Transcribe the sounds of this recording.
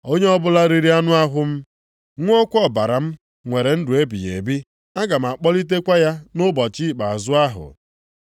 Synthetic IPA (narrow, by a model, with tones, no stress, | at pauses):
o˦ɲe˦ɔ˦bʊ˦la˦ɾi˦ɾi˦a˦nʊ˦a˦ɦʷʊ˦m̩˦ | ŋʷ˦ɔ˦kʷɔ˦˨ba˨ɾa˨m̩˦ | ŋʷe˨ɾe˨n̩˦dʊ˨e˦bḭ˨jḛ˨bi˦ | a˦ɡa˨m̩˨a˨k͡pɔ˦li˦t̬e˦kʷa˦ja˦nʊ˦bɔ˨t͡ʃi˦˨k͡pa˨a˨zʊ˦a˦ɦʊ̰˨